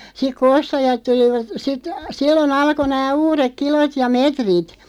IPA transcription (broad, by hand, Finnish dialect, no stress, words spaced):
sik ku ostɑjɑt tuliʋɑt sit silːon ɑlko næː uːrek kilot jɑ metrit